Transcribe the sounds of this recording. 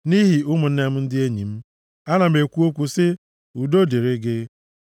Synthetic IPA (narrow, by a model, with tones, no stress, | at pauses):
ni˦ɦi˨ʊ˦mʊ˨n̩˦ne˦m̩˦n̩˦dɪ˦e˦ɲi˨m̩˦ | a˦na˨m̩˨e˨kʷu˦o˦kʷu˨sɪ˦ | u˨do˦de˨ɾe˦ɡɪ˦